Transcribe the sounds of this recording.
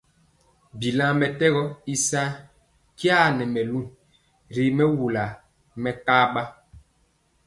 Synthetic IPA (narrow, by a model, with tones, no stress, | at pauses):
bi˨lã˦mɛ˨tɛ˦ɣɔ˦i˦sa˦ | kja˦˨nɛ˨mɛ˨lu˦˨ | ɾi˨mɛ˦wu˨la˨ | mɛ˨ka˦ɓa˦